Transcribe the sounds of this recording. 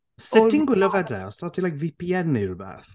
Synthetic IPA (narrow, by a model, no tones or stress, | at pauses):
sɪdinɡwɪləvɛdɛ̰ɔstʰɔtʰilajkvipʰiɛniɾubɛ̰θ